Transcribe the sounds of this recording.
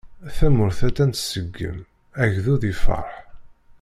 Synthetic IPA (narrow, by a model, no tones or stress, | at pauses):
θæmʊɾθæt̪ːænt̪səɡːə̰m | æʝðuðifə̰ɾˤħ